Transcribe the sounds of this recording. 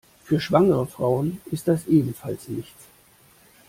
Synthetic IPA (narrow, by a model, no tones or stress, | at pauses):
fyːɐʃv̥aŋəʁəfʁ̥aʊənɪst̚d̥asʔeːbm̩falsnɪçt